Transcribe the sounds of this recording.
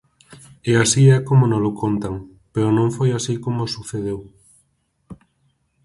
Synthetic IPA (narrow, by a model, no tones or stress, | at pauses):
easiɛkomonõlokʰont̪aŋ | peɾonõɱfojasikomosuθeðew